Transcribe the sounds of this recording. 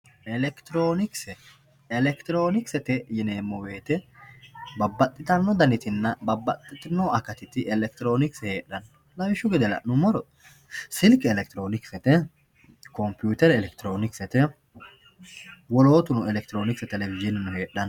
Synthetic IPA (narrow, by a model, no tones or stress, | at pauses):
ɛlɛkt̪ɪɾoːnɪksɛ | ɛlɛkt̪ɪɾo̞ːnɪksɛt̪ɛjɛneːmːɔweːt̪ɛ | bɐbːɐt̪ʼːɪt̪ɐnːɔd̪ɐnɪt̪ɪnːɐbɐbːɐt̪ʼːɪt̪ɪnːɔɐkɐt̪ɪt̪ɪɛlɛk̚t̪ɪɾo̞ːnɪksheːᶑɐn | lɐwɪʃːʊɡɪd̪ɛlɐ̰nʊmɔɾɔ | sɪlkɛɛlɛk̚t̪ɪɾo̞ːnɪksɛt̪ɛ | kɔmpjuːt̪ɛɾɛlɛkt̪ɪɾoːnɪksɛt̪ɛ | wɔlo̞ːt̪ʊnʊɛlɛk̚t̪ɪɾo̞ːnɪksɛt̪ɛlɛvɪʒɪnɪnʊheːᶑɐn